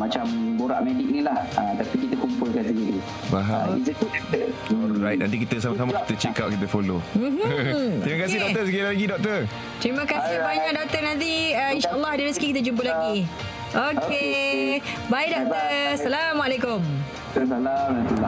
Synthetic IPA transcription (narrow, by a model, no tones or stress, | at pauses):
mat͡ʃamboɾaʔmedɪk̚nilahat̪apikit̪əkumpʊlkansəɡədi | baɦa̰ḭsət̪ut̪əɔlɾajt̚nã̰nt̪ik̬it̪əsamas̬amakit̪ət͡ʃekap̚kit̪̬əfolom̩ɦm̩t̪ɾiməkasɪhdɔkt̪əsəkilalaɡidɔk̚t̪ə | t̪ɾiməkasɪhbaɲaʔ̚dɔk̚t̪ənãnt̪̬iəinʃaʔəlːɑhdəɾisəɡikit̪̬əd͡ʒump̬əlaɡi | ʔoke | bajdɔk̚t̪əsalamalekʊm | salamat̪ul